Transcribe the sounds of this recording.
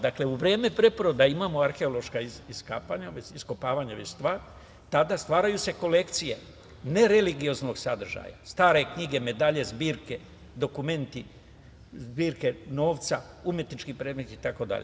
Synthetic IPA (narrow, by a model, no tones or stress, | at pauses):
d̪akle̞uʋɾe̞ːmepɾe̞poɾod̪aimaːmo̞aɾxe̞olo̞ʃkaiiskaːpaɲaʋet͡ʃisko̞paːʋaɲaʋet͡ʃst̪ʋaːɾ | t̪ad̪ast̪ʋaːɾajuse̞ko̞le̞kt̪sije̞ | ne̞ɾe̞liɡijo̞zno̞ɡsad̪r̩ʒa̰ja̰st̪aːɾe̞kɲiɡe̞me̞d̪aʎe̞zbiːɾke̞ | d̪o̞kume̞nt̪i | zbiːɾke̞no̞ːʋt̪saumje̞t̪nit͡ʃkipɾeːd̪me̞t̪iːt̪ako̞d̪a̰ʎe